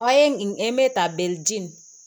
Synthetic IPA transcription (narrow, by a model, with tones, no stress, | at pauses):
ɔ˦je˦ŋi˨ŋe˦me˦ta˨be˨ld͡ʒi˦˨n